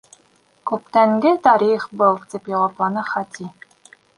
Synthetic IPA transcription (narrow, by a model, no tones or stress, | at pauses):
kʉp̚t̪æŋɡɘt̪ɑɾʲiχbɤlˠt̪ʲipjɑwɑplˠɑnɤχɑt̪ʲi